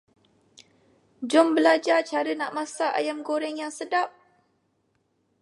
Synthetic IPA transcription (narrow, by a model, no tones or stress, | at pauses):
d͡ʒʊmbəlad͡ʒat͡ʃaɾənaʔmasaʔa̰jamɡoɾɛŋjaŋsədap̚